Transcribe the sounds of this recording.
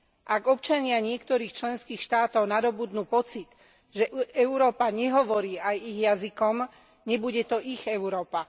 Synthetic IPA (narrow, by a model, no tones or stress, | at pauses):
ʔaɡɔp̚t͡ʃaɲɪaɲɪɛkt̪ɔɾiːxt͡ʃlɛnskiːxʃt̪aːt̪ɔʊnad̪ɔbud̪nuːpɔt͡sit̪ | ʒɛʔɛʊɾɔːpaɲɛɦɔʋɔɾiːajiɣjazikɔm | ɲɛbuɟɛt̪ɔʔiɣɛʊɾɔːpa